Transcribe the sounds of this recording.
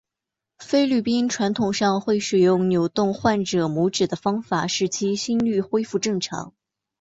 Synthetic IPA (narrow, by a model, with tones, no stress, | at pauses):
fe˥ɪly˥˩pi˥nʈ͡ʂʰwa˧˥nt̪ʰʊ˨˩ŋʂɑ˥˧ŋxwe˥˩ɪʂɻ̩˨˩jʊ˥˩ŋnjo˨˩ʊt̪ʊ˥˧ŋxwa˥˩nʈ͡ʂɤ˨˩mu˧˥ʈ͡ʂɻ̩˨˩d̪ə˦fɑ˥ŋfa˨˩ʂɻ̩˧˥˩t͡ɕʰi˥ɕi˥nly˥˩xwe˥ɪfu˥˧ʈ͡ʂɤ˥˩ŋʈ͡ʂʰɑ̰˧˥ŋ